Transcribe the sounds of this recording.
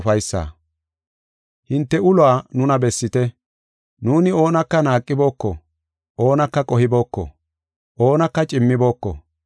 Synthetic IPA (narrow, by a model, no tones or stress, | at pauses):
fɐjsːa̰ː | hɪnt̪ːɛʊlʊaːnʊnɐbɛsːɪt̪ɛ | nuːnɪo̞ːnɐkːɐnaːkʼːɪbo̞ːkːɔ̰ | ʔo̞ːnɐkːɐkʼɔhɪbo̞ːkːɔ̰ | ʔo̞ːnɐkːɐt͡ʃʼɪmːɪbo̞ːkːɔ̰